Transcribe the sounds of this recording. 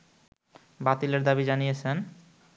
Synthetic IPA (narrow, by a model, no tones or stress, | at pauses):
bat̪ileɾd̪abid͡ʑanijet͡ɕʰen